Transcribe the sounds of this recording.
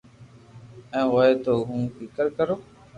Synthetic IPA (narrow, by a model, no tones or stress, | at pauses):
ɛ̃ːʋoeːt̪oːɦũːfikəɾkəɾoː